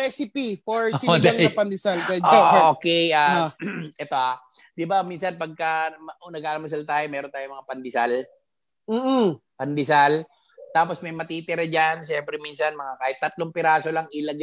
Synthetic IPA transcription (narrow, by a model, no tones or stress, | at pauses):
ɾɛsɪpifoɹsidlɐŋɐpɐnd̪ɪsalkɛd͡ʒokɛjaaʔɛt̪o̞ʔa | d̪ɪbaminsɐnpɐɡ̚kɐmɐʔonɐɡʔaːlɐmɐs̬alt̪aːjomɛːɾont̪aːjomɐŋapɐnd̪ɪsal | m̩ːh̩pɐnd̪ɪsal | t̪aːposmɐjmɐt̪iːt̪ɪɾɐd͡ʒanʃɛmpɾɛminsɐnmɐŋakaːhɪt̪ːɐt̪loŋpɪɾaːso̞laŋɪlɐɡ